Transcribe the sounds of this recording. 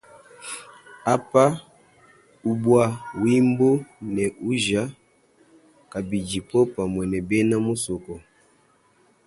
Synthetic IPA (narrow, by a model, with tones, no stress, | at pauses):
a˦pa˦ | u˦bwa˦wi˦mbo˦nɛ˨ʔu˦ʒa˦ | ka˨bi˨d͡ʒi˨pɔ˦pa˨mwɛ˨nɛ˨bɛ˦na˦mo˦so˨kɔ˨